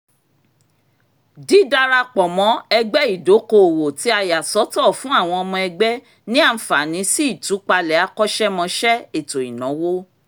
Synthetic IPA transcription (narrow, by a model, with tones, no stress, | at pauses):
di˨˦da˧ɾa˧k͡pɔ˨mɔ̃˨˦ɛ˧ɡ͡bɛ˦i˦˨do˨˦ko˧˨wo˨ti˨˦a˧ja˨sɔ˨˦tɔ˦˨fũ˦a˦˨w̃ɔ̃˧ɔ˧mɔ̃˧ɛ˧ɡ͡bɛ˦ | nĩ˦a˦˧n̩˨fa˨nĩ˨˦si˦i˦˨tu˨˦k͡pa˧lɛ˨a˨˧kɔ˦ʃɛ˦mɔ̃˧ʃɛ˦e˨to˨i˨nɔ̃˨˦wo˦